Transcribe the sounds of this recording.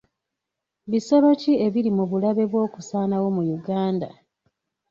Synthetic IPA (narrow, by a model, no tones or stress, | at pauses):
βisaβacie̞βilimuβulaβe̞βwo̞ːku̥saːnawo̞mujuɡaːnda̰